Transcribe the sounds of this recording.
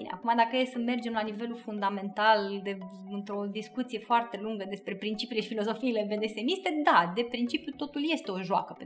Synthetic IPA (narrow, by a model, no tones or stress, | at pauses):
inḛa̰kumad̪akəjesəme̞rd͡ʒe̞mlanive̞lufund̪ame̞nt̪ald̪e̞ | ɨnt̪ɾo̞d̪iskut̪sije̞foart̪e̞luŋɡəd̪e̞spɾe̞pɾint͡ʃipileʃifilo̞zo̞fiːleved̪esenist̪e̞d̪ad̪e̞pɾint͡ʃipjut̪o̞t̪ulje̞st̪e̞o̞ʒoa̰kəp